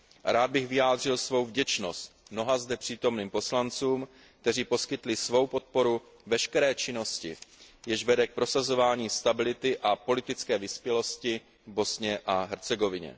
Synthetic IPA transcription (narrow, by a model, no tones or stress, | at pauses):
ɾaːd̪̚bɪxvɪjaːd̪r̝ɪlsvo̞wvɟɛt͡ʃno̞st̪̚mno̞ɦazd̪ɛpr̝̥iːt̪o̞mniːmpo̞slant͡suːm | k̚t̪ɛriːpo̞skɪt̪lɪsvo̞wpo̞t̪̚po̞ɾu | vɛʃkɛɾɛːt͡ʃɪno̞scɪ̰jɛʒvɛdɛk̚pɾo̞sazo̞vaːɲiːst̪abɪlɪt̪ɪʔapo̞lɪt̪ɪt͡skɛːvɪspjɛlo̞scɪ | bo̞sɲɛʔaɦɛɾt͡sɛɡo̞vɪɲɛ̰